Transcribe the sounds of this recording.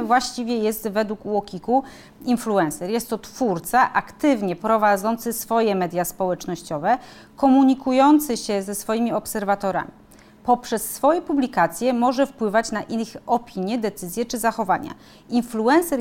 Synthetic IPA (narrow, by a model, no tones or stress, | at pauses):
vwaɕt͡ɕivʲjɛjɛst̪vɛd̪wukwɔkʲiku | influɛnsɛɾjɛst̪ːɔt̪fuɾt̪saʔakt̪ɘvɲɛpɾɔvad̪zɔnt̪sɘsfɔjɛmɛd̪ʲjaspɔwɛt͡ʂnɔɕt͡ɕɔvɛ | kɔmuɲikujɔnt̪sɘɕɛzɛsfɔjimʲiɔpsɛɾvat̪ɔɾa̰mʲi | pɔpʂɛsːfɔjɛpublʲikat̪sʲjɛmɔʐɛfpwɘvat͡ɕnaʔinɔpʲiɲjɛd̪ɛt̪sɘzʲjɛt͡ʂɘzaxɔvaɲa̰ | influɛnsɛɾ